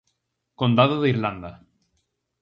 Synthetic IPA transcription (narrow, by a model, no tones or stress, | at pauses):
kond̪aðoðeiɾland̪a